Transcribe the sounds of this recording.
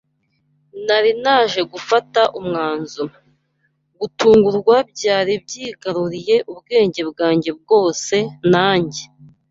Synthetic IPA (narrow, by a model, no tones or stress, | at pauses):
naɾinaːʒe̞ɡufataʔumŋaːnzo | ɡutʰuːŋɡuɾɡwab̚ɟaːɾib̚ɟiːɡaɾuɾije̞ʔubɡe̞ːɲɟe̞bɡaːɲɟe̞b̚ɡo̞ːse̞naːɲɟe